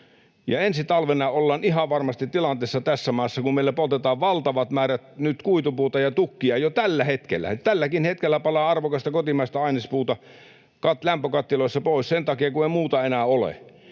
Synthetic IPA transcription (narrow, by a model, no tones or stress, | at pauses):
jɑensit̪ɑlʋenɑolːɑːnihɑʋʋɑrmɑst̪it̪tilɑnt̪eˑːsːɑt̪æsːæmɑˑːsːɑkummeilːˑæpolt̪et̪ɑːʋʋɑlt̪ɑʋɑt̪mæːræt̪nyt̪kuit̪upuːt̪ɑjɑt̪ukːiɑjot̪ælːæhet̪kḛlːæ̰t̪ælːækinhet̪kelːæpɑlɑːɑrʋokɑst̪ɑkot̪imɑˑist̪ɑɑˑinispuːt̪ɑ | kɑt̪læmpøkɑt̪ːiloˑisːɑpoˑissent̪ɑkiɑkueimuːt̪ɑenæolḛ